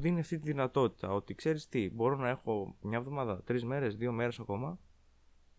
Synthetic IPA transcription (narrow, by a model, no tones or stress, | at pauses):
ðiiniɐft̪it̪̬iðinɐt̪o̞t̪i̥t̪ɐo̞t̪ikse̞ɾist̪ibo̞ɾo̞nɐe̞xo̞mɲɐevðo̞mɐðɐt̪ɾizme̞ɾe̞zðio̞me̞ɾe̞sɐko̞mɐ